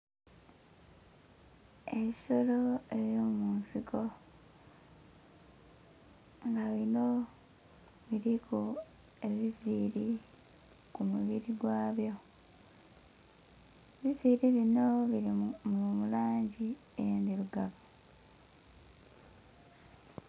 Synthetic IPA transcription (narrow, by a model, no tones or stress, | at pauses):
e̞βiso̞lo̞e̞βjomuːnsiko̞ | ŋɡaβino | βiɾiku | e̞βiviːɾi | kumuβiɾiɡwaːβjo̞ | βiviːɾiβinoβiɾimumulaːɲɟi | endiɾuɡaβo